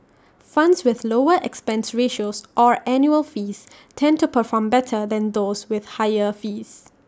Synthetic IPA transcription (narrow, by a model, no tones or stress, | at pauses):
fãndswɪðloəʔɛkspɛ̃nsɹeʃosʔɔɹʔɛ̃njuəlfiːs | tʰɛ̃ntupəfɔmbɛtʰədɛ̃nd̪oːswɪðhaɪəfiːs